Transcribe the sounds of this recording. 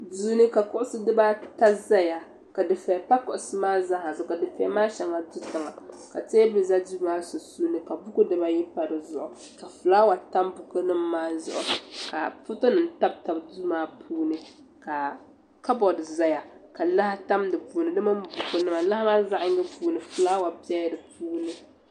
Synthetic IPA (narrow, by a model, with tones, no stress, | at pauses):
du˦nɨ˦ka˨kʊ˦ʔʊ˦sɨ˦dɨ˦ba˦ta˦za˦ja˨ | ka˨dɨ˨fɛ˨pa˦kʊ˨ʔʊ˨sɨ˦maː˦za˦ha˨zʊ˨ka˨dɨ˨fɛ˨a˨˦maː˦ʃɛ˨ŋa˨du˦tɨ˨ŋa˨ka˨te˦bɨ˨za˦du˦maː˦so˨suː˦nɨ˦ka˨bu˦ku˦dɨ˦ba˦ji˦pa˨ɾɨ˨zʊ̰˨ʔʊ˨ | ka˨fɨ˨laː˦wa˨ta˦mbʊ˨kɨ˦nɨ˦mː˦aː˦zʊ̰˦˨ʔʊ̰˨ka̰˨fʊ˦to˦nɨ˨n˦ta˦b̚ta˨bdu˦maː˨˦pʰuː˦nɨ˦ | ka˨ | ka˦bɔ˨dɨ˨za˦ja˨ka˨la˦ha˦ta˦mdɨ˨puː˨nɨ˨dɨ˦ma˦mbu˨kʊ˦nɨ˦ma˨la˦hmaː˦za˦ʔɪ˦ŋ˦ɡɨ˦puː˦nɨ˨fu˨laː˦wa˨bɛ˦jdɨ˨puː˦nɨ˦